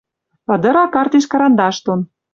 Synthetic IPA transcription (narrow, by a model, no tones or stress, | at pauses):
ɤ̆d̪ɤ̆ɾɑkɑrt̪eʃkɑɾɑnd̪ɑʃt̪on